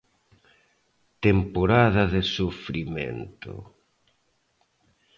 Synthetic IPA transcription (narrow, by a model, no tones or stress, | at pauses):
t̪empoɾaðɐðɪsufɾimḛnt̪ʊ̰